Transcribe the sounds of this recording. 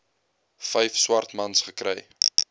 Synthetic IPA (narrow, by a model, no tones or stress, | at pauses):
fɛjfswɐrtmɐnsχəkɾɛ̰j